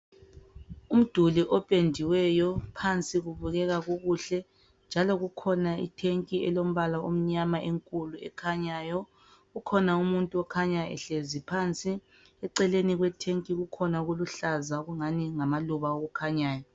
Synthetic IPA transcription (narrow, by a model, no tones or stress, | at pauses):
um̩d̥ʱuliʔɔpʼendʱiwɛjɔpʰant͡sʼiɣuβuɣɛɣaɣuɣuɬɛ | nd͡ʒʱalɔɣukʰɔnaḭtʰeŋkʼiɛlom̩βalaum̩ɲamaʔeŋkʼuluɛ̰kʰaɲaːjɔ | ɣukʰɔnaumuntʼuɔkʰaɲaɛ̰ɬezipʰant͡sʼi | ɛǀɛleniɣwɛtʰeŋkʼiɣukʰɔnaɣuluɬazaɣuŋaniŋamaluβaoɣukʰaɲaːjɔ